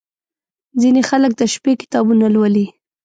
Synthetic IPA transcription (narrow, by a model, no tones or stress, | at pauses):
zinexalək̚d̪aʃpekɪ̥t̪ɑbunalwəli